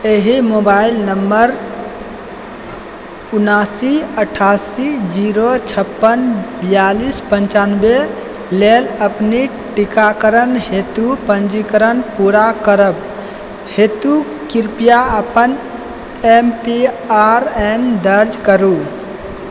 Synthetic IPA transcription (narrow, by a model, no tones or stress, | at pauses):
eɦimobailnəmːəɾ | unasiəʈʰasid͡ʒiɾot͡ʃʰəpːənbijalispənt͡ʃanbe | leləpni | ʈikakəɾənɦet̪upənd͡ʒikəɾənpuɾakəɾəb | het̪u | kiɾpijaəpən | empi | aɾemd̪əɾd͡ʒkəɾu